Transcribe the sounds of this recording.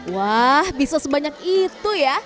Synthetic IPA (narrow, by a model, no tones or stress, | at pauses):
wahbisasəbaɲakit̪uja